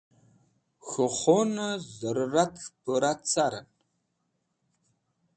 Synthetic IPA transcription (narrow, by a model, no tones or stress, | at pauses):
xɨχʷonɐzɐɾɨratʰpɨɾat͡sʰaɾɐ̰n